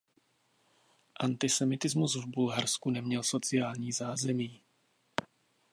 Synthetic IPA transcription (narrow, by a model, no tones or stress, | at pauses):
ʔant̪ɪsɛmɪt̪ɪzmuzvbulɦaɾskunɛmɲɛlso̞t͡sɪjaːlɲiːzaːzɛmiː